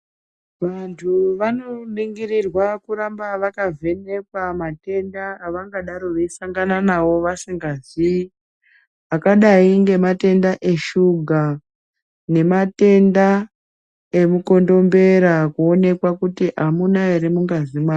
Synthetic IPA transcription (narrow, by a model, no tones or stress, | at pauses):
ʋantʰuʋano̞ɗiŋɡirirwakuɾambaʋakavʱe̞ne̞kwamate̞ndaːʋaŋɡaɗaɾo̞ʋeisaŋɡananawo̞ʋasiŋɡazi | akaɗaiŋɡe̞mate̞ndaʔe̞ʃuɡʱa | ne̞mate̞nda | e̞muko̞ndo̞mbe̞ɾakuo̞ne̞kwakutiʔamunaeɾimuŋɡazimaː